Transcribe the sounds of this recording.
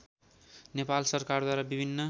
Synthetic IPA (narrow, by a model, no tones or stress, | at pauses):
nepalsʌrkard̪waɾabibʱinːʌ